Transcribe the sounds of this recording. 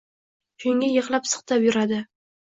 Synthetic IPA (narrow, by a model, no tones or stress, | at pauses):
t͡ʃʰʊŋʲajɨqlˠapsɨ̥χt̪ʰapjʊɾad̪ɪ